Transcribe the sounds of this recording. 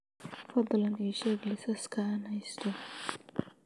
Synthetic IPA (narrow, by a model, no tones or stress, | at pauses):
fɑd̪lɐniːʃɛɡlɪsɐskʰanhɐjst̪ʰɔ